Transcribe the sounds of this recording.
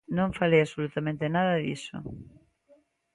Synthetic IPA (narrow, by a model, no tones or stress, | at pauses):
nõŋfalejasolut̪amẽnt̪ɪnaðɐðḭsʊ̰